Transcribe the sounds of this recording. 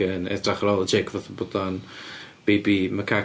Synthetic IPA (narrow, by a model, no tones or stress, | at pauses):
ənɛ̰draχəɾɔːlˠəd͡ʒejkʰvɔθəbɔdan | b̥ejbiməkʰa